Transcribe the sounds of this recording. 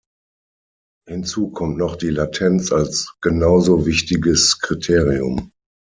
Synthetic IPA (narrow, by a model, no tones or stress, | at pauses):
hɪnt͡suːkʰɔmtnɔχd̥iːlatʰɛnt͡salsɡ̥ənaʊzoːvɪçtɪɡəskʁ̥itʰeːʁiʊ̰m